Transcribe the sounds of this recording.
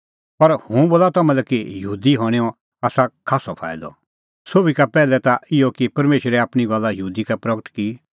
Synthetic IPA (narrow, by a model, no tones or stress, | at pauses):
pɐɾhũboːlat̪ɐmɛ̃lɛkijɐɦuːd̪iɦɔɽ̃eːɔ̃ | aːsakʰaːsɔpʰa̰ːɪd̪ɔ̰ | soːbikapɛːlɛt̪aɪɔkipɐɾmeːʃɾɛaːpɽ̃iɡɔlːajəɦuːd̪ikapɾɐɡəʈkiː